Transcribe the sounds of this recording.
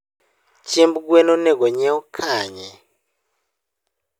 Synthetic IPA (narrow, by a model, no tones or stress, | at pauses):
t͡ʃʰimbuɡwɛnɔnɛɡɔɲɛɔkʰaːɲɛ